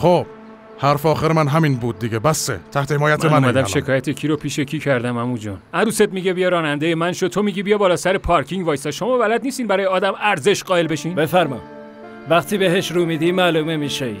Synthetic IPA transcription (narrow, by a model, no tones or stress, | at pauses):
xob̥ | hæɾfɒːxeɾemænɦæmiːnbuːd̪̚ːiɟebæsḛt̪ʰæht̪ʰehemɒːjætmemæumæd̪æmʃe̞kʰɒːjæt̪ʰecʰiɾopʰiːʃecʰiːcʰæɾd̪æmæmud͡ʒɒ̰næɾuːsed̪miɟebijɒɾɒːnænd̪ejemænʃot̪ʰomiɟiːbijɒbɒːlɒːsæɾepʰɒɾkʰiŋɟvɒjsɒʃo̞mɒːbælæd̪nist̪iːnbæɾɒːjeɒːd̪æmæɾze̞ʃɢɒːe̞lbe̞ʃiːnbe̞fæɾmɒ̰ | væxt̪iːbeɦeʃɾuːmid̪iːmæːlumemiʃe